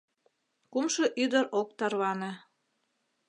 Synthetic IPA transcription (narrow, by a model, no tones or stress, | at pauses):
kumʃɤʔyd̪əɾok̚t̪ɑrβɑnĕ